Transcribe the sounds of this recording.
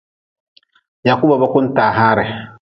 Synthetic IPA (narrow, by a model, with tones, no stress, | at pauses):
ja˨ku˦ba˨ba˦kʊ˦n˦taː˨ɦaː˦ɾɛ˨